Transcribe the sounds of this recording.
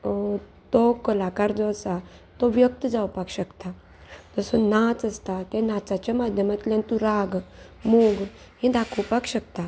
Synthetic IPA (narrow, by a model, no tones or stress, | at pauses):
t̪okəlakaɾd͡zɔsat̪oʋjək̚t̪əd͡zawpakɕəkt̪a | t̪əsɔnat͡səst̪at̪ẽnat͡sat͡ɕjamad̪ʱjəmat̪ljant̪ũɾaɡ | moɡ | ɦĩd̪akʰəwpakɕək̚t̪a